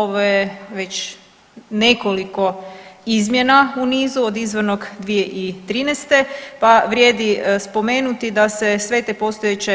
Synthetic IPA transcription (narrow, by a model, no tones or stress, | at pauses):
oʋojeʋe̞t͡ɕ | ne̞ko̞liko̞izmje̞nauniːzuod̪izʋəno̞ɡd̪ʋije̞ʔit̪ɾiːnest̪e̞paʋɾʲjeːd̪ispo̞me̞ːnut̪id̪ase̞sʋe̞t̪epo̞st̪ojet͡ɕe